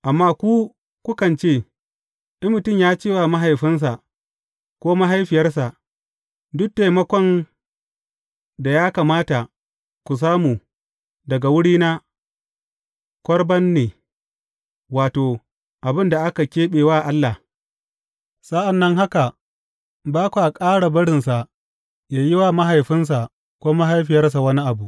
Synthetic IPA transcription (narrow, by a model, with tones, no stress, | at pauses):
ʔa˨mːaː˦kʷu˦ | kʷʊ˦kɐ˨nt͡ʃeː˦˨ | ʔɪ˦mːʊ˨tʊ˦˨mjaː˦t͡ʃeː˦waː˨ma˦ɦa˨jɸɪ˦ns̬a˨ | kʷoː˦ma˦ɦa˦jɸɪ˨jɐ˦rs̬a˨ʔ | dʊ˦k̚ta˨jmɐ˦kʷɔ˦n | da˨jaː˦kaː˨maː˦ta˨ | kʷu˨s̬aː˦muː˨ | dɐ˨ɡa˨wʊ˦ɽiː˦na˦ | kʷɔ˦ɽbɐ˦nːeː˨ | waː˨toː˨ | ʔa˨bɪ˦nda˨ʔa˦ka˨kʲeː˦ɓeː˨waː˦˨ʔa˦lːa˨ | sa˦ʔa˨nːɐ˦ŋɦa˦ka˨ | baː˦kʷu˨ʔa˨kʼaː˦ɽa˨bɐ˦ɽɪ˨nsa˨ʔ | jaː˨jɪ˦wa˦ma˦ɦa˨jɸɪ˦ns̬a˨ | kʷoː˦ma˦ɦa˦jɸɪ˨jɐ˦rs̬a˨wɐ˦ni˦ʔa˨bu˨ʔ